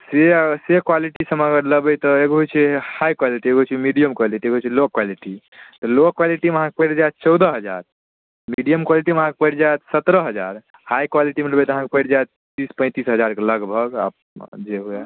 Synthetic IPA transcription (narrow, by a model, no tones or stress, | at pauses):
sesekwaliʈisəməɡəɾləbɛt̪ɔeɡoɦojt͡ʃʰɛhajkwaliʈieɡoɦjt͡ʃʰɛmiɖijəmkwaliʈieɡoɦot͡ʃʰɛlokwaliʈi | t̪ɔlokːwaliʈimeəɦãkepəjɽd͡ʒaet̪t͡ʃɔwd̪əɦəd͡ʒa̰ɾ | miɖijəmkwaliʈimeɦãkepəɽd͡ʒajt̪sət̪ɾəɦəd͡ʒaɾ | hajkwaliʈimeləbɛt̪ɔəɦãkepəjɽd͡ʒajt̪ | t̪ispə̃ɪ̃t̪isɦəd͡ʒaɾkeləɡbʱəɡa̰p | d͡ʒeɦoa